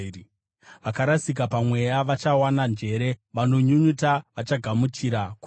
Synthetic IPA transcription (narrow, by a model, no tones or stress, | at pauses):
ʋakaɾasik̬apamwe̞jaʋat͡ʃawanand͡ʒe̞ɾe̞ʋano̞ɲuɲutaʋat͡ʃaɡʱamut͡ʃiɾaku